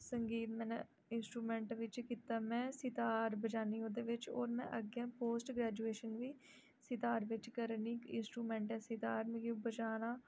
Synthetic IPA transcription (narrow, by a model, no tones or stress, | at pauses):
səŋɡiːt̪mɛ̃ːn | ɪnsʈɾuːmɛ̃ːɳʈʋɪt͡ʃkiːt̪aːmɛ̃ːsɪt̪aːɾbəd͡ʒaːniːoːd̪eːʋɪt͡ʃoːɾmɛ̰̃ʔəɡɛ̃ːpoːsʈɡɾɛːd͡ʒuːeːʃənʋiː | sɪt̪aːɾʋɪt͡ʃkəɾniːkɪ̰nsʈɾuːmɛ̃ːɳʈɛ̃ːsɪt̪aːɾmẽːɡiubəd͡ʒaːnãː